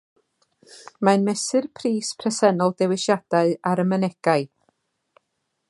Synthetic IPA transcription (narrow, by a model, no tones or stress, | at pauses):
manmɛsɨrpʰriːspʰrɛsɛnɔlˠdɛwɪʃjad̥aɨaɾəmənɛɡ̥aɨ